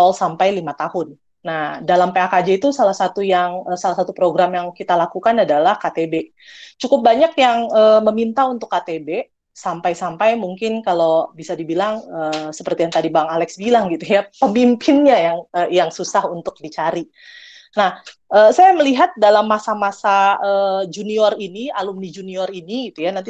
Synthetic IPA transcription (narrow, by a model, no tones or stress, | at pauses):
tɔlsampajlimat̪ahʊnː | ahdalampeakad͡ʒait̪usalahsat̪ujaŋəːsalahsat̪upɾoɡɾamjaŋkit̪alakukanadalahkat̪ebe | t͡ʃukʊp̚baɲakjaŋəːməmint̪aunt̪ʊkːat̪ebe | sampajsampajmuŋkɪnkalowbisadibilaŋəsə̥pərt̪ijaŋt̪adibaŋalɛksbilaŋɡit̪ujapəmimpʰɪnɲajaŋəjaŋsusahunt̪ʊk̚dit͡ʃaɾi | nahʔəːsajaməliɦat̪̚dalamːasamasaəːd͡ʒuniɔrinialumnid͡ʒuniɔriniɡit̪ujanant̪i